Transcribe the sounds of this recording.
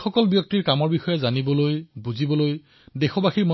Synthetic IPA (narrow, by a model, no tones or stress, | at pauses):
xɔkɔlbjɔk̚tiɹkamɔɹbixɔjɛzanibɔlojbuzibɔloj | dexɔbaxiɹmɔ